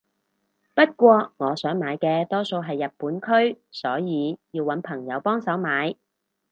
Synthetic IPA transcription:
pɐ˥t̚kʷɔː˧ŋɔː˨˧sœː˨˥ŋmaː˨˧jkɛː˧t̪ɔː˥so˧wɦɐ˨jːɐ˨t̚pːuː˨˥nkʰɵ˥ɥsɔː˨˥jiː˨˧jiː˧wɐ˨˧˥npʰɐ˨˩ŋjɐ˨˧wpɔː˥ŋsɐ˨˥wmaː˨˥j

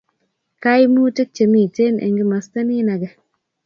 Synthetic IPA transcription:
ka˦jmu˦te˦k̚t͡ʃe˨mi˦˨te˦nʔḛ˨ŋɡɪ˦ma˨sta˦ni˦na˨ɡɛ˨

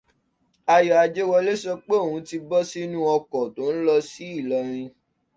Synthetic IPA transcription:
a˧jɔ˨a˧d͡ʒe˦wɔ˧le˦ʃɔ˦k͡pe˦o˦˨ũ˨˦ti˧bɔ˦si˦nũ˦ɔ˧kɔ˨to˨˦n̩˦lɔ˧si˦i˦˨lɔ˨ɾ̃ĩ˧

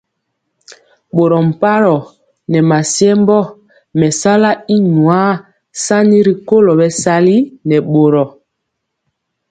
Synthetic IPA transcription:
ɓo˨ɾɔ˨m̩˨pa˦ɾɔ˨ | nɛ˨ma˨sjɛ˦mbɔ˦ | mɛ˨sa˦la˦i˦nwa˦ | sa˦ni˦ɾi˨ko˦lɔ˨bɛ˦sa˦li˦nɛ˨ɓo˨ɾɔ˨

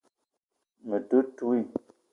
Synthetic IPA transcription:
mə˨tu˦tu˦i˦˨

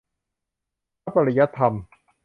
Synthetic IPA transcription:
a˦˥pa˧ɾi˦˩ja˦˥t̪ʰːa˧m

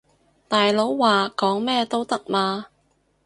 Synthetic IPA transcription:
t̪aː˨jlo˨˥wːaː˨kɔː˨˥ŋmɛː˥t̪o˥wt̪ɐ˥k̚maː˧

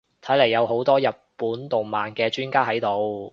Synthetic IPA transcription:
t̪ʰɐ˨˥jlɐ˨˩jːɐ˨˧wɦo˨˥wt̪ɔː˥jɐ˨p̚pːuː˨˥nt̪ʊ˨ŋmaː˨˩nkɛː˧t͡ʃyː˥nkaː˥ɦɐ˨˥jt̪o˨˧w

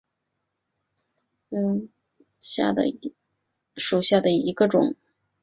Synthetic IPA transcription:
ɕja̰˥˩d̪ə̰˩ | ʂu˨˩ɕja˥˩d̪ə˩i˧˥ɡə˧ʈ͡ʂʊ̰˨˩˦ŋ

